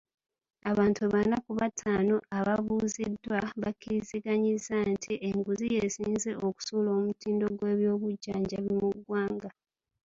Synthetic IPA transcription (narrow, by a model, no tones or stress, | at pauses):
aβaːntuβanakuβatʰaːno̞ʔaβaβuːzidwaβakːiɾiziɡaɲizantʰiʔeŋɡuzije̞siːnze̞ʔo̞ku̥suːlo̞ːmutiːndo̞ɡwe̞ːβjo̞ːβuɟːaːɲɟaβimuɡwaːŋɡa